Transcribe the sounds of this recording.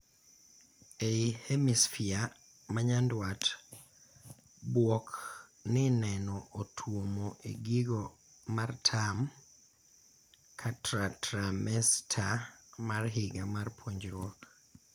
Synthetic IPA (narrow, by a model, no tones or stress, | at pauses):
eihemisfia | maɲandwat | bwɔknɪnɛnɔʔotʰwomoʔḛɡiɡɔ | martʰam | kʰatɾatɾamɛstʰamarɦɪɡamarpʰwoɲd͡ʒɾwok